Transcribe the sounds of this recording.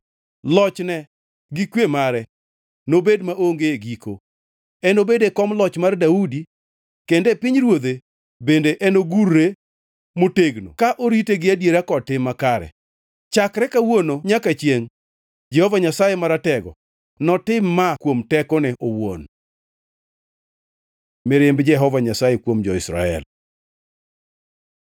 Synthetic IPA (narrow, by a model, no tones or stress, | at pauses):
lɔt͡ʃnɛ | ɡɪkwemaɾɛ | nobedmaʔoŋɡeeɡiko̰ | ɛnobedekɔmlɔt͡ʃmardaudi | kendepɪɲɾwod̪e | bendeʔɛnoɡurːe | moteɡno̰kaʔoɾiteɡɪadjeɾakɔtɪmːakaɾɛ̰ | t͡ʃakɾɛkawonoɲakat͡ʃjeŋ | d͡ʒɛhɔvaɲasajemaɾatɛɡɔ̰ | nɔtɪmːakwomtɛkɔnɛʔowo̰n | mɪɾɪmbd͡ʒɛɦɔvaɲasajekwomd͡ʒɔɪsɾa̰ɛ̰l